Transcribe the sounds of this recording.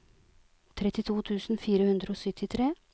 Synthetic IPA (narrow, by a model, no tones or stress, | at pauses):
t̪ʰɾɛt̪ɪt̪ʰuːt̪ʰʉːsn̩fiːɾəhʉnd̪ɾəoːsœt̪ʰɪt̪ʰɾeː